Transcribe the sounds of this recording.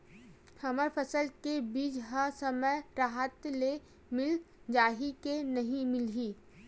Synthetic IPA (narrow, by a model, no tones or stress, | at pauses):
hɐməɾpʰəsəlkebiːd͡ʒɦasəməjɾaːɦət̪le | mɪl | d͡ʒaːɦikenɐɦĩmɪlɦiː